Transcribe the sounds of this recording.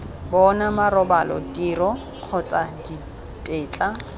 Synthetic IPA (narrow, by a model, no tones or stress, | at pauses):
bɔnamarɔbalɔ̰tʼirɔ | q͡χʰɔt͡sʼadi | tʼeːt͡ɬʼa